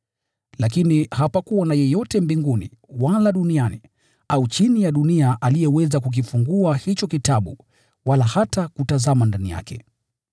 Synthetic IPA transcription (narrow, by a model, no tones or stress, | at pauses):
lakinihapakuanajɛjɔtɛmbiŋɡunḭ | walaɗuniani | aut͡ʃinijaɗuniaʔalijɛwɛzakuk̬ifuŋɡuahit͡ʃɔkitaɓṵ | walahatakutazamandanḭja̰kɛ